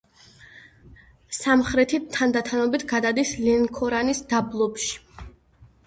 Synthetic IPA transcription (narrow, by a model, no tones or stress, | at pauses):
samχɾɛt̪ʰit̪ʰːand̪at̪ʰanɔbit̪ʰɡad̪ad̪islɛŋkʰɔɾanisd̪ablˠɔpʃi̥